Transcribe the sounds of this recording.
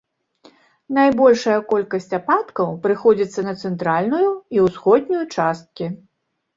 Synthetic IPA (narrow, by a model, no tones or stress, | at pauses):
najbɔlʲʂɐjɐkɔlʲkɐsʲt͡sʲapat̪kɐwpɾɨxɔd͡zʲit̪sːɐnɐt̪sɛnt̪ɾalʲnujuiwsxɔd̪ʲnʲujut͡ʂast̪̚kʲi